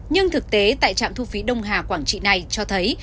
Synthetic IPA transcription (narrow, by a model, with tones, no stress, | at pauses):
ɲɨ˧ŋt̪ʰɨ˨˩k̚t̪e˨˦t̪a̰ː˧˨jt͡ɕa̰ː˧˨mt̪ʰu˧fi˨˦ɗə˧wŋ͡mɦaː˨˩kwaː˧˩ŋt͡ɕḭ˧˨na˨˩jt͡ɕɔ˧t̪ʰə˨˦j